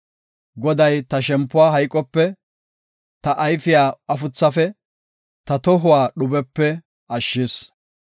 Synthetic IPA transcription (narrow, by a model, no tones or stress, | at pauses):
ɡɔd̪ɐjt̪ɐʃɛmpːʊwaːɦɐjkʼːɔpːɛ | t̪ɐʔɐjfɪjaːɐfʊt͡sːɐfɛ | t̪ɐt̪ɔɦʊwaːɗʊbɛpːɛ | ɐʃːɪs